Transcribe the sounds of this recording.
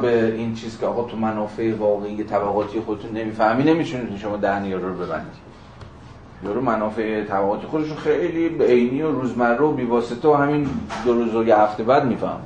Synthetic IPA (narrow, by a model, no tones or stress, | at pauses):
beint͡ʃʰiːzkʰʲeɒːɣɒːt̪ʰumænɒːfeʔevɒːɣeijet̪ʰæbæɣɒːt̪ʰije̞xod̪e̞t̪ʰunːe̞miːfæhmiːne̞mit̪ʰunit̪uiʃomɒːd̪æɾnijɒɾuɾobe̞bæ̰nd̪i̥ | jɒːɾumænɒːfe̞et̪ʰæbæɣɒːt̪ʰijexo̞d̪eʃ̬oxejliːbeejniːoɾuːzmærːoobiːvɒːset̪ʰeohæmind̪oɾuzojehæft̪ebæd̪miːfæ̰hmi